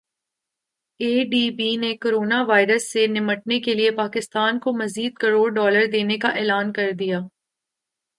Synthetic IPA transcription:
eːɖiːbiːnekoːɾoːnaʋaːɪɾəsːenɪməʈ̚nekeliepaːkɪst̪aːnkomɐziːd̪kɐɾoːɽɖɔːləɾd̪eːnekaʔɛːlaːnkɐɾd̪ijaː

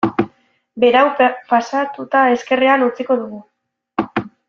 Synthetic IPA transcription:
be̞ɾawpasat̪ut̪ae̞ske̞reanut͡siko̞ðuɣu

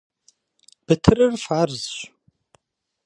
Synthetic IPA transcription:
b̥ɨtʰɨrɨrfaːrzɕʷ

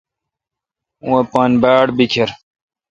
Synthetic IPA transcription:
wepanbaːɽbikʰeɾ

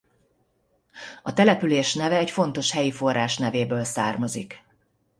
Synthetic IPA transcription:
ɒt̪ɛlɛpyleːʃnɛvɛːcfo̞n̪t̪o̞ʃhɛjifo̞rːaːʃnɛveːbøːlsaːrmɒzḭk

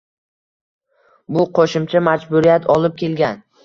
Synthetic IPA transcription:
bʊqʰoʃɪmt͡ʃʰamad͡ʒbʊɾijat̪ʰɒlˠɪp̚kʲʰe̞lɡʲan

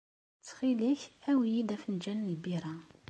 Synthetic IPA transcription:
t͡sːχiliçhæwijid̪æfənd͡ʒænlbiɾˤɑ

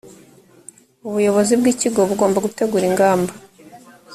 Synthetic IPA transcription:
uβujo̞βo̞zibɡiːciɡo̞βuɡo̞ːmbaɡute̞ɡuɾiŋɡaːmba

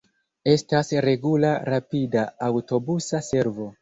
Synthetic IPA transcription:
e̞stasɾe̞ɡulaɾapidaːwto̞busase̞ɾvo̞

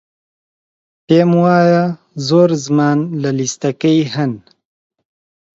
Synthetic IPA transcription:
peːmwaːja | zoːɾzmaːnlalist̪ɐkɐjɦɐn

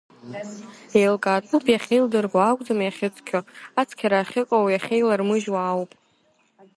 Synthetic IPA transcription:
ejlkʼaːt͡sʼupʰjaχʲejldɨrɡʷaakʷʼd͡zamjaχʲɪt͡sʰkʲʰoat͡sʰkʲʰaɾaːχʲɪkʷʼowjaχʲejlarmɨʒwaːwpʼ

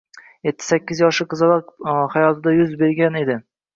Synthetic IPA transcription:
jet̪ʰːɪ̥sakʲːɪzjɒʃɪqɨzɨlˠɒqhajɒt̪ʰɪd̪ajʊzbe̞ɾɡʲane̞d̪ɪ

